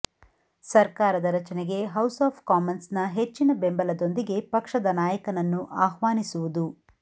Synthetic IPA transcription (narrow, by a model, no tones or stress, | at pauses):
sɐɾkaːɾɐd̪ɐɾɐt͡ʃɐneɡe̞ɦɐwsaːpʰkaːmɐnsnɐɦet͡ʃːinɐbembɐlɐd̪o̞nd̪iɡe̞pɐkʂɐd̪ɐnaːjɐkɐnɐnːuʔaːɦʋaːnisuʋud̪u